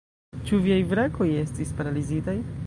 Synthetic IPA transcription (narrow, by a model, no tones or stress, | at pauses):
t͡ʃuviajvɾako̞jestispaɾalizitaj